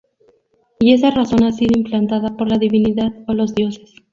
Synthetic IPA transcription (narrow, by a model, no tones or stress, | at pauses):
ie̞s̬araso̞nasiðoimplant̪aðapo̞ɾlaðiβiniðaðolo̞zðjo̞ses